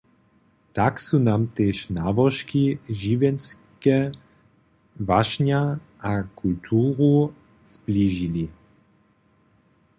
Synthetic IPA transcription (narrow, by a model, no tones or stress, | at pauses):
t̪aksunaːmt̪ɛʃnaːbɔʃkiʒiʋɛns | kɛ | vaʃɲa | akʰult̪ʰuːʁu | z̥bliːʒili